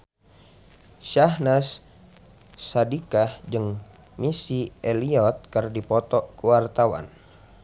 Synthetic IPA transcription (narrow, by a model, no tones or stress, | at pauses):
ʃahnas | adikahd͡ʒɨŋ | misiɛliɔt̪̚kərdipɔt̪ɔkuwart̪awa̰n